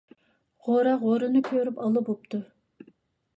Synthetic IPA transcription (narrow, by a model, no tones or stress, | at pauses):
ʁoɾɑʁoɾɨnɨkʲʰøɾypɑlˠɨbop̚t̪ʰu